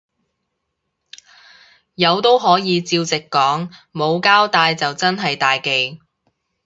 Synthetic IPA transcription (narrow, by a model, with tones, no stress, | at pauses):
jɐ˨˧wt̪o˥wɦɔː˨˥jiː˨˧t͡siː˧wt͡sɪ˨kːɔː˨˥ŋmo˨˧wkaː˥wt̪aː˧jt͡sɐ˨wt͡sɐ˥nɦɐ˨jt̪aː˨jke˨j